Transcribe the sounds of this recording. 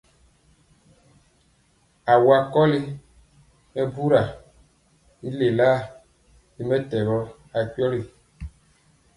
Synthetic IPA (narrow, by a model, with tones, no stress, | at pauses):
a˨wa˨kɔ˦li˦ | mɛ˦bu˦ɾa˨ | i˦le˨laː˦˨ | i˨˦mɛ˦tɛ˨ɣɔ˦ | a˨k͡pi˦ɔ˦li˨